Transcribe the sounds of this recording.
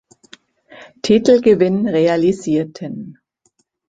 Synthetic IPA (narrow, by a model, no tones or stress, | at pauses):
tʰitl̩ɡəvɪnʁealiziːɐtʰən